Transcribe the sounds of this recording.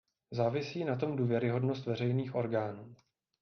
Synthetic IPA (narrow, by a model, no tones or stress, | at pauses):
zaːvɪsiːnat̪̬o̞mduːvjɛɾɪɦo̞dno̞st̪vɛr̝ɛjniːxʔo̞ɾɡaːnuː